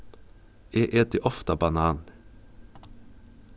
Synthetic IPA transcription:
eːʔeːd̪eʔɔft̪ɑbɑnɑːn

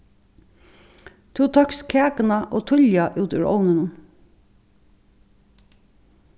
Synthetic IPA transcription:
t̪ʰuːt̪ʰɑkskʰæːkənɑʔoːt̪ʰʊʎjɑʔʉːt̪ʉ̰ːɹʔo̰ʊnənən

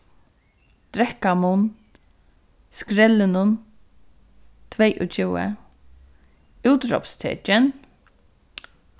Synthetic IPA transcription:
d̪̥ɾɛkamun | skɾɛlːɪnʊn | t̪ʰvɛjʔʊ̰t͡ʃʰɪwə̰ | uwt̪ɾɔ̰pst̪ʰɛ̰ːt͡ʃɪn

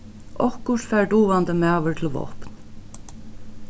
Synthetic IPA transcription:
ʔɔhkʊʂfæːɹɖuːʋand̪əmæːʋəɹt̪ʰɪlʋɔ̰hpn

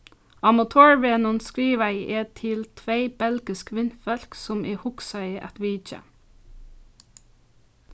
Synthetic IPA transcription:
ɑmɑt̪ʰoːɹʋeːnʊnskɹiːʋæɪʔeːt̪ʰɪlt̪ʰʋeɪb̥ɛlɡɪskʋɪnfɛlksɔmʔeːhʊksɑɪəʔɛ̰t̪ʋiːt͡ʃə̰

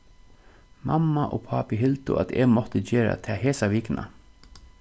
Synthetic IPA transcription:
mʔɑmːaʔoːpʰɑpɪɦɪlt̪ʊ̰ʔɑ̰t̪ʰeːɡmɔt̪əd͡ʒeːɾa̰t̪ʰɛːheːsaʋiːknʔa̰

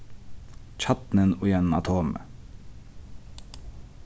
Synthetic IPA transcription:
c͡çɑt̪nənʊjɛnn̩ɑ̰t̪ʰoːmə̰

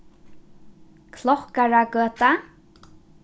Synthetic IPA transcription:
kʰlɔhkaɹakøːt̪a

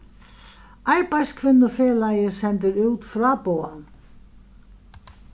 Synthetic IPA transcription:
ajɹpajskʰvɪnːʊfeːlajɪsɛnt̪ɪɾuːt̪fɾaːpowan

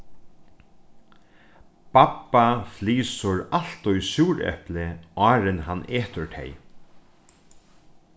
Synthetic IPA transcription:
papːafliːsʊɹal̥t̪ʊjsjuːɾɛ̰hplɪɑːɾɪnɦanʔeːt̪ʊɹt̪ʰɛ̰j

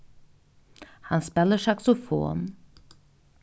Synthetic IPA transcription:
hansbɛləʃaksofɔ̰m

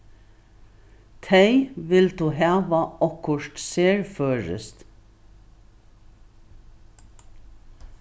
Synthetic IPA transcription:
t̪ʰeɪʋɪld̪ʉːɦɑːʋəʔɔkʰʊʃtseːɹføːɹə̰st̪

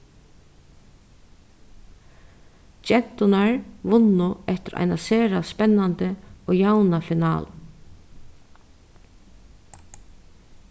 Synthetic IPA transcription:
t͡ʃɛn̥t̪ʊnaɹʋʊnʊɛht̪ɪɾa̰jnaseːɾaspɛnːant̪əɔːjawnafɪnɑ̰ːl

